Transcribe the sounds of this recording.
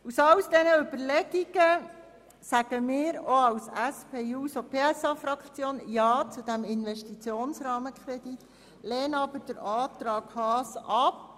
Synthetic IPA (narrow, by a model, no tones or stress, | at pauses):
usɑwsd̥̪ɛnəʏb̥əɾlɛɡiɡ̥ə | sæɡ̥əmɪːɾoɑwsæspʰeːuːsopʰeːæsɑfɾɑkχt͡sjoːnjɑːt͡sud̥̪æmɪnʋɛʃtit͡sjoːnsɾɑːməkχɾɛd̥̪it̪ | leːnɑbəɾd̥əɾɑːt̪ɾɑːɡ̥hɑːsʔɑp